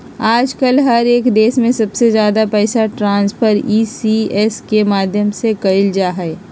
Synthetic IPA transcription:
aːd͡ʒkəlɦɐɾeːkd̪eːsmẽsɐbsezjaːd̪apɛːsaʈɾãːnspʰəɾiːsiɛskemaːd̪ʱjəmsekɐɪld͡ʒaːɦɛː

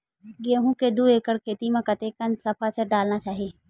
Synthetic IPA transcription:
ɡeːɦũkeɖueːkəɽkʰeːt̪imẽkɐt̪ekənsɐpʰat͡ʃʰəɖaːlnat͡ʃaːɦieː

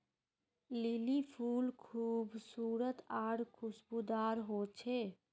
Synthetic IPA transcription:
lilipʰuːlkʰuːbsuːɾət̪aːɽkʰʊsbud̪aːɾɦot͡ʃʰe

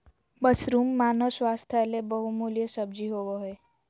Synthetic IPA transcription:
bəsɾumːanosʋast̪ʰaelebəɦumuljəsəbd͡ʒiɦoʋoɦɔj

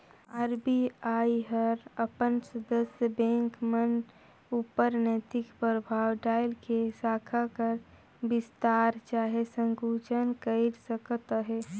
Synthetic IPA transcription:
aːɾbiaːiɦəɾəpənsəd̪əsjəbẽŋkmən | upəɾnət̪ɪkpɾəbʱaːwɖaːɪlkesaːkʰakəɾ | bɪst̪aːɾt͡ʃaːɦesə̃ŋɡut͡ʃənkəɪɾsəkət̪ɦe

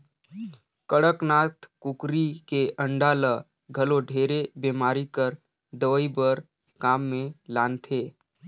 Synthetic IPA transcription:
kəɽəknaːt̪ʰkʊkɾikeʔə̃ɳɖaːlə | ɡʱəloɖʱeːɾebeːmaːɾikəɾ | d̪əʋəibəɾ | kaːmːẽlaːnt̪ʰeː

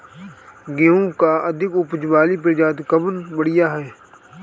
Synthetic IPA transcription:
ɡeũkaəd̪ʱɪkʊpd͡ʒʋaːlip̬ed͡ʒaːd̪kəbənbəɽɪjaɦɛː

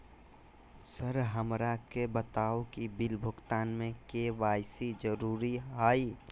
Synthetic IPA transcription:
səɾɦəmɾakebət̪aːokibɪlbʱʊɡt̪aːnmẽkeʋaːjsid͡ʒəɾuːɾiɦaːi

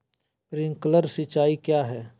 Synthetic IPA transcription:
pɾɪ̃ŋkləɾsɪt͡ʃaːikjaːɦɛː

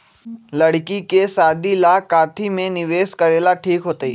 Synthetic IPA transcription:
lɐɽkikesaːd̪ʱilakaːt̪ʰimẽnɪʋeːskɐɾeːlaʈʰiːkɦoːt̪əḭː

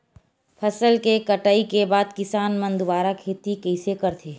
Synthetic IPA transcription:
pʰɐsəlkekɐʈaːikebaːd̪̚kɪsaːnmɐ̃nd̪waːɾakʰeːt̪ikɛɪsekəɾt̪ʰeː

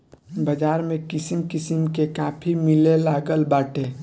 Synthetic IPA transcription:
bəd͡ʒaːɾmẽkɪsimkɪsimkekaːpʰimɪlelaːɡəlbaːʈʰe

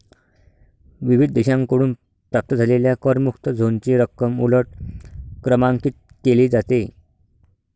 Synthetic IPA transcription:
ʋiʋid̪̚ʱd̪eɕãŋkəɽuːn | pɾap̚t̪əd͡zʱaleljakəɾmukt̪əd͡zʱont͡ɕiːɾəkːəmuləʈ̚kɾəmãŋkiːt̪̚ | keliːd͡zat̪e

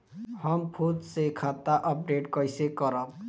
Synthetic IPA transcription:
hʌmpʰot̪sekʰat̪aʔɔp̚ɾeʈkʌjsekɔɾɔk

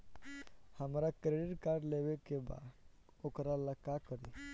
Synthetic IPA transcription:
həmɾakɾeɖiʈkaɾɖlebekeba̰ | okɾaləkːakəɾi

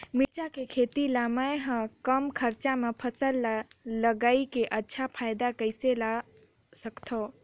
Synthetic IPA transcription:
mɪt͡ʃakekʰeːt̪ilamaeɦə̃kəmkʰəɾt͡ʃamepʰəsəlləɡaːikeʔətːʃʰapʰaːɪd̪akəɪsela | səkt̪ʰo

